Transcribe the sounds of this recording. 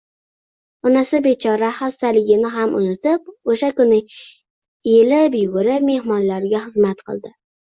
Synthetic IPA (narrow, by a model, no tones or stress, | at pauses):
ʊnasɪbet͡ʃʰɒɾahast̪alɪɡʲɪnɪɦamʔʊ̰nɪt̪ʰɪp̚oʃakʊnɪ | elɪpjʊɡʊɾɪpme̞hmɒnlaɾɡʲaχɨzmat̪qʰɨ̰lˠd̪ɪ